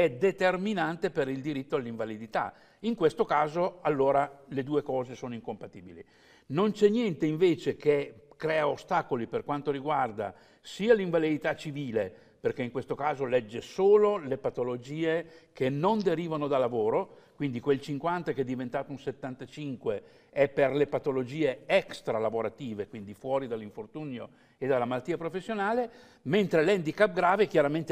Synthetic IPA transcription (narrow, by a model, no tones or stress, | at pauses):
ɛd̪et̪erminant̪epeɾild̪iɾit̪ːoalːiɱvalid̪it̪a̰ | iŋkwest̪okaːzoalːoːɾaled̪uːekɔːzesoːnoiŋkompat̪iːbilḭ | nont͡ʃɛnːjɛnt̪eiɱveːt͡ʃekekɾɛːaost̪aːkoliperkwant̪oɾiɡward̪a̰ | siːaliɱvalid̪it̪at͡ʃiviːle | perkeiŋkwest̪okaːzolɛd͡ʒːesoːlolepat̪olod͡ʒiːekʰenːond̪eɾiːvanod̪alːavoːɾokwind̪ikwelt͡ʃiŋkwant̪akɛd̪ːivent̪aːt̪oũnset̪ːant̪at͡ʃiŋkwe | ɛperlepat̪olod͡ʒiːeɛkst̪ɾalavoɾat̪iːvekwind̪ifwɔːɾid̪alːiɱfort̪uːnjo | ed̪alːamalat̪ːiːapɾofesːjonaːle | ment̪ɾelɛnd̪ikap̚ɡɾaːvekjaɾament̪